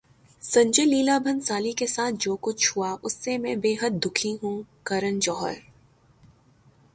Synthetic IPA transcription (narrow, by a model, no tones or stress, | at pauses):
sɐ̃ɲd͡ʒeːliːlabʱə̃nsaːlikesaːt̪̚ʰd͡ʒoːkʊt͡ʃʰɦuaʔʊsːemɛ̃beːɦəd̪̚ːʊkʰĩɦũːkɐɾənd͡ʒɔːɦə̰ɾ